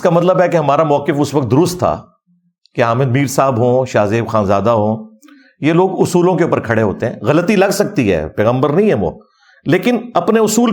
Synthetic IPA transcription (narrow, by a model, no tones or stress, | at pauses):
kamɐt̪ləbɦɛkeɦɐmaːɾamɔːkɪfʊsʋɐk̚t̪̚d̪ʊɾʊst̪ʰːa̰ː | keaːmɪd̪miːɾsaːbɦõːʃaːzeːbxaːnzaːd̪aɦõː | jeloːɡʊsuːlõkeuːpəɾkʰɐɽeɦo̰ːt̪eɦɛ̰̃ːɣɐlət̪ilɐɡsɐk̚t̪iɦɛ̰ːpɛːɣə̃mbəɾnɐɦĩɦɛ̃ʋo̰ː | leːkɪnɐpneʊsuːl